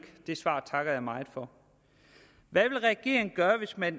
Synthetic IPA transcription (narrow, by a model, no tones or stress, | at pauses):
ɡ̥d̥e̝sʋɑ̰̈ːt͡sʰɑ̈ɡ̥ɐjɑ̈ɪmɑ̈ɪd̥fɒ̽ | ʋæʋe̝lʁɛæɡ̥e̝̰ːɐŋ̩ɡ̥ɶːɐʋe̝smæn